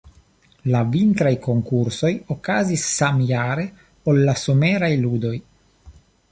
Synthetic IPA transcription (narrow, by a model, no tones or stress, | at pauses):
lavint̪ɾajko̞ŋkuɾso̞jokazisːamjaɾe̞ | olːaso̞meɾajlud̪o̞j